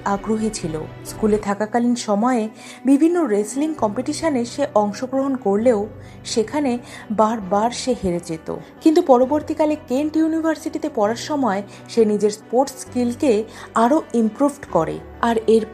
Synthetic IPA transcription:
aɡɾoɦit͡ɕʰilo̰ | skulet̪ʰakakalinʃɔmɔe | bibʱinːoɾesliŋkɔmpiʈiʃaneʃeʔɔŋʃoɡɾoɦonkoɾleo | ʃekʰanebaɾbaɾʃeɦeɾed͡ʑet̪o̰kint̪upɔɾoboɾt̪ikalekeɳʈjunibʱaɾsiʈit̪epɔɾaɾʃɔmɔe | ʃenid͡ʑeɾspoɾʈskilkeaɾoimpɾubʱʈkɔɾḛ | aɾeɾ

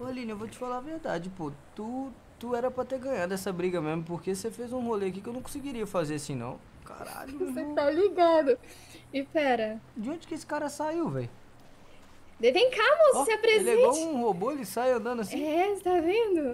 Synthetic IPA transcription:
olĩnɐevot͡ʃɪ̥falavehd̪a̰d͡ʒɪpot̪u | t̪uɛɾɐpɾɐt̪eɾɡɐ̃ɲad̪ʊɛsɐbɾiɡɐmezmʊpoɾkesefejzũholeɐkikɪewnɐ̃w̃kõsɪɡiɾiɐfazeɾɐsĩnɐ̰̃w̃ | ka̰ɾa̰ʎʊset̪aliɡad̪ʊ | ɪpɛɾɐd͡ʒɪõd͡ʒɪkɪesɪ̥kaɾɐsaiwvɛ̰j | d̪et̪ẽj̃kamoseɐpɾezeɡoũhoboelɪsajɐ̃nd̪ɐ̃nd̪ʊɐsĩɛst̪avẽnd̪ʊ

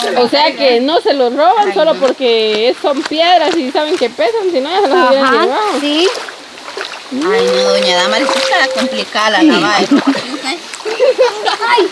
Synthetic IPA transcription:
ose̞akeno̞se̞loro̞βanso̞lo̞po̞ɾkeesompje̞ðɾasisaβe̞ŋke̞pe̞sansinojaselosjeɾand͡ʒeɣaðosi | ajnoðoɲaðamaɾisit̪akomplikalaaβaep

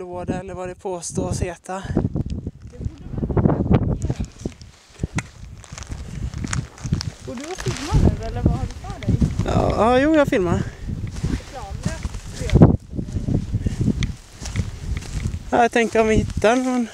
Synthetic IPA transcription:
oːd̪əɛlːəɾvad̪ɛpʰoːst̪oːɾɔsheːt̪ʰa | ɔd̪afɪlmaɛlːə | ɑːjuːjɑhafɪlmaɾ | aːjɑat̪ʰɛŋkəɾɔmvɪhɪt̪ːaɛnfɾɔn

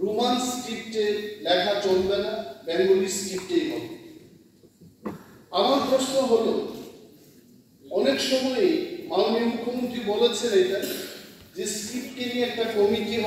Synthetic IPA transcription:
ɾumansʈipʈelɛkʰat͡ɕɔnd̪aɾabɛŋɡolisʈip̚ʈejmɔɦ | amaɾpɾoʃnoɦolo | ɔnekʃɔmɔemalomimukʰːomont̪ɾibolet͡ɕʰenejʈa | d͡ʑesʈip̚ʈeniɛk̚ʈakomit̪iɦ

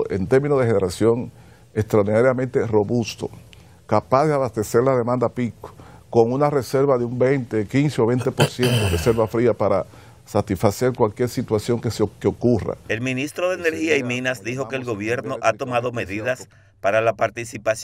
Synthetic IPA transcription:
ḛnt̪e̞ɾmĩnoðeheneɾasjo̞ŋ | e̞kst̪ɾaoɾðinaɾjamẽnt̪e̞ro̞βust̪o̞̰ | kapazðeaβast̪e̞se̞ɾlað̞e̞mãnd̪apiko̥ko̞ŋunare̞se̞ɾβaðeumbejnt̪ekinseo̞βe̞jnt̪e̞po̞ɾsje̞nt̪oɾese̞ɾβafɾiapaɾa | sat̪isfase̞ɾkwalkje̞ɾsit̪wasjo̞ŋkeseokeokura̰e̞lminist̪ɾoðeeneɾhiaiminasd̪ixo̞keːlɣo̞βje̞ɾnoʔat̪o̞maðo̞me̞ðiðas | paɾalapaɾt̪isipas

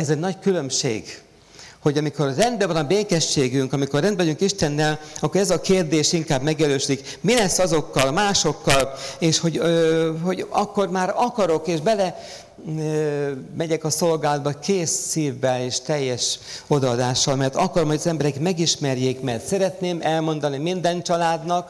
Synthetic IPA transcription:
ɛzɛɟnɒckylø̞mʃḛːɡ̥ | ho̞ɟɒmiko̞rːɛnd̪̚bɛvɒnɒbeːkɛʃːeːɡyŋkɒmikorːɛnd̪vɒɟyŋkiʃt̪ɛnːɛlɒkːoɾɛzɒkeːrd̪eːʃiŋkaːbmɛɡjɛløːʃyd̪ikmilɛsːɒzo̞kːɒlmaːʃo̞kːɒleːʃho̞ɟøɦo̞ɟɒkːo̞rmaːɾɒkɒɾo̞keːʒbɛlɛ | mɛɟɛkɒso̞lɡaːld̪bɒkeːsːiːvːɛleːʃt̪ɛjːɛʃo̞d̪ɒːd̪aːʃːɒlmɛrt̪ɒkɒɾomhoɟɒzɛmbɛɾɛkmɛɡiʃmɛrjeːkmɛrt̪sɛɾɛt̪neːmɛlmo̞nd̪ɒnimind̪ɛnt͡ʃɒlaːd̪nɒk

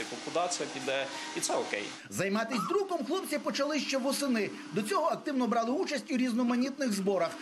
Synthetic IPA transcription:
ɪkɔnkʊd̪ɑt͡sʲijɐpʲid̪ɛ | it̪sɛɔkɛ̰j | zɐjmɑt̪ɪsʲd̪ɾukɔmxlˠɔbt͡sʲipɔt͡ʃɐlˠɪʃt͡ʃɛʋɔsɪnɪ | d̪ɔt͡sʲɔɦɔɐk̚t̪ɪwnɔbɾɑlˠɪut͡ʃɐsʲtʲuɾʲiznɔmɐnʲit̪nɪɣzbɔɾɐx

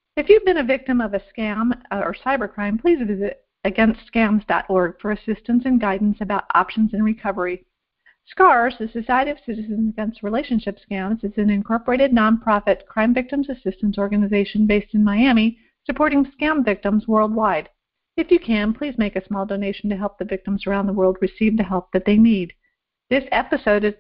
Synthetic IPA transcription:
ɨfjʉvbɨ̃nɨvɪk̚tɨ̃mʌvɨskæ̃mʌə̰˞saɪbə˞kʰɹ̥ãɪ̃mpʰl̥izvɪzɨɾ | ɨɡɛ̃nstskæ̃mzdɑ̰ɾʔɔɹɡ̥fə˞ɨsɪstɨ̃nsɨ̃nɡaɪdⁿn̩sɨbaʊɾʔɑ̰pʃn̩zɨ̃nɹɨkʰʌvə˞i | skɑɹzðɨsɨsaɪɨɾiʌv̥sɪɾɨzɨ̃nɨɡɛ̃nstsɹileɪʃɨ̃n̩ʃɪpskæ̃mzɨzɨ̃nɨ̃nkʰɔɹpə˞eɪɾɨdⁿnɑ̃npʰɹ̥ɑfɨt̚kʰɹ̥ãɪ̃ɱvɪk̚tɨ̃mzɨsɪstɨ̃n̩sɔɹɡɨnɨzeɪʃɨ̃n̩beɪstn̩maɪæmi | sɨpʰɔɹɾɪ̃ŋskæ̃ɱvɪk̚tə̃mzwɜ˞lˠd̚waɪd | ɨfjɨkʰɨ̃npʰl̥izmeɪkɨsmɔlˠdoʊneɪʃn̩tɨɦɛlˠp̚ðɨvɪk̚tə̃mzə˞ãʊ̃nðəwɜ˞lˠd̚ɹɨsivðɨɦɛlˠp̚ðɨt̪̚ðeɪnid̪̚ | ðɪsɛpɨsoʊɾɨz

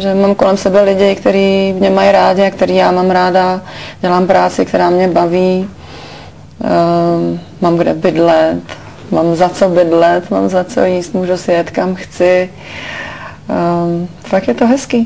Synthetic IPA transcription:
ʒɛmamkolɛmsɛbɛlɪɟɪkt̪ɛɾiːmɲɛmajɾaːɟɪakt̪ɛɾiːjaːmaːmɾaːdaɟɛlaːmpɾaːt͡sɪkt̪ɛɾaːmɲɛbaviː | mamɡdɛ̰bɪdlɛt̪ | maːmzat͡sobɪdlɛt̪ma̰ːmzat͡so̰jiːst̪muːʒusjɛt̪kamxt͡sɪ | fakjɛt̪oɦɛskiː

